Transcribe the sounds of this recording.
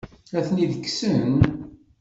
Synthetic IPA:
æθniðəkːsən

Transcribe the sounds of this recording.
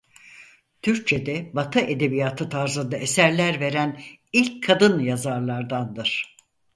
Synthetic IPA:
t̪ʰyɾc̚t͡ʃʰed̪ɛbat̪ʰɯʔe̞d̪e̞bijat̪ʰɯt̪ʰaɾzɯnd̪ae̞sæɾlʲæɾve̞ɾænilʲckʰːad̪ɯnjazaɾlˠaɾd̪and̪ɯɾ̥

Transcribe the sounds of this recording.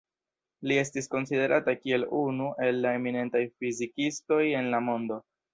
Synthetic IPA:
lie̞stisko̞nside̞ɾʔatakie̞lunuʔe̞lːae̞mine̞ntajfizikisto̞je̞nlamo̞ndo̞

